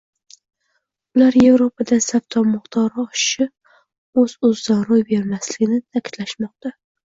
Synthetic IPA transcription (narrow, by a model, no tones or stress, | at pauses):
ʊlaɾje̞vɾopʰad̪asaft̪ʰɒmʊχt̪ʰɒɾɒʃɪ̥ʃɪp | ɵzɵzːaɾʊjbe̞ɾmaslɪɡʲɪnɪt̪ʰakʲʰɪ̥t̪laʃmɒq̚t̪a